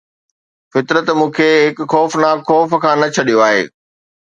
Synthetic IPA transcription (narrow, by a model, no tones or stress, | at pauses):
fɪt̪ɾət̪mũːkʰeɦɪkxɔːfnaːxɔːfkʰãːnɐt͡ɕʰɐɗijoaːɦḛː